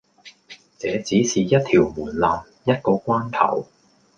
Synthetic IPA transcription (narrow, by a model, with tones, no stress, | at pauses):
t͡sɛː˨˧˥t͡siː˨˥siː˨jɐ˥t̚t̪ʰiː˨˩wmuː˨˩nlaː˨m | jɐ˥t̚kɔː˧kʷaː˥nt̪ʰɐ̰˨˩w